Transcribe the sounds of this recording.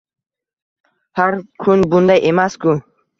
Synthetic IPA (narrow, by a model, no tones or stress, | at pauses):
haɾkʰunbund̪ajʔemaskʰu